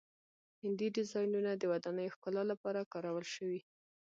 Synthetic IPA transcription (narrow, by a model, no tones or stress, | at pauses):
hɪnd̪iɖɪzɑjnunad̪əwad̪ɑnəjoxkəlalapɑɾakɑɾawəlʃəwi